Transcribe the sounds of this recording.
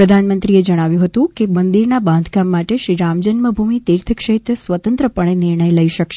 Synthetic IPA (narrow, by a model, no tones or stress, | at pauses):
ɾəd̪ʱanmənt̪ɾied͡ʒəɽ̃aʋjũɦət̪ũkemənd̪iɾnabãnd̪ʱkamːaʈeʃɾiɾamd͡ʒənməbʱumit̪iɾt̪ʰəkʃəɦit̪əsʋət̪ənt̪ɾəpəɳ̃eniɾɳəjləiʃəkʃe